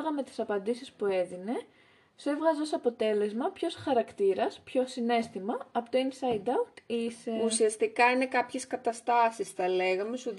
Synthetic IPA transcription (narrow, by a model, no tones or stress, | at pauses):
ɣɐme̞t̪i̥sɐpɐnd̪isispue̞ðine̞ | se̞vɣɐzeo̞sɐpo̞t̪e̞le̞zmɐpço̞sxɐɾɐkt̪iɾɐspço̞sine̞st̪imɐɐpot̪oinsɐjd̪ɐut̪iseusiɐst̪ikɐine̞kɐpçe̞skɐt̪ɐst̪ɐsisθɐle̞ɣɐme̞suð